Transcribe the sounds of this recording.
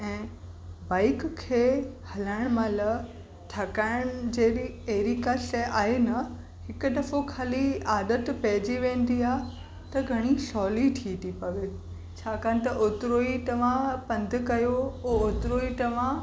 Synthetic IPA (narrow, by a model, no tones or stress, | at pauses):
ɛ̃ː | baːɪkkʰːeːhɐlaːɪɽ̃mãlɐ | ʈʰɐkaːɪɽ̃d͡ʑeːeɦɾikasʔaːɦenɐ | hɪkʊɗ̪ɐfokʰaːliaːd̪ət̪pɐɦɪd͡ʑiʋẽːn̆d̪iaː | t̪ɐɡʱɐɽ̃isɔːliʈʰiːt̪ipɐʋe | t͡ɕʰaːkaːnɪ̆t̪ɐʔoːt̪ɾoːit̪ɐʋ̤ãpɐ̃nd̪ʱkɐjoooːt̪ɾoːiʈ̪ɐʋ̤ã